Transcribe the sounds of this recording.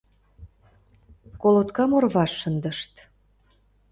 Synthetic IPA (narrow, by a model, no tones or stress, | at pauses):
kolot̪kɑmorβɑʃːənd̪əʃt̪